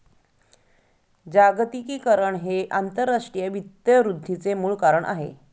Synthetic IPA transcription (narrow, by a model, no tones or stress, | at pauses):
d͡ʑaɡt̪ikiːkəɾəɳɦeʔant̪əɾːaʂʈɾijəʋit̪jəɾud̪ʱːit͡semuːɭkaɾəɳʔa̰ɦḛ